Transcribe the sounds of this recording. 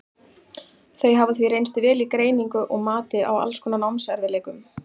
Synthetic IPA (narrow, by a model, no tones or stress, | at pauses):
θejɦavaθviɾejnst̪ɪvɛːlikɾeːjniŋkʏʔɔɣmaːt̪ɪʔa̰wa̰lskʰɔːnanawmsɛɾvɪlɛːkʏm